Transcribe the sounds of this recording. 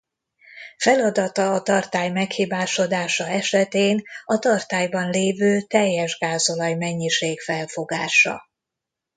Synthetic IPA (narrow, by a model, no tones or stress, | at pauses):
fɛlɒd̪ɒt̪ɒːt̪ɒrt̪aːjmɛkhiːbaːʃo̞d̪aːʃɒɛʃɛt̪eːnɒt̪ɒrt̪aːjbɒnleːvøːt̪ɛjːɛʒɡaːzo̞lɒjmɛɲːiʃeːɡfɛlfo̞ɡaːʃɒ̰